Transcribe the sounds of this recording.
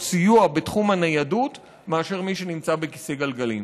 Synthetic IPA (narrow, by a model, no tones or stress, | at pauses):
sijuabetχumhanajadut | meaʃe̞ʁmiʃe̞nimt͡sabe̞kise̞ɡalɡalim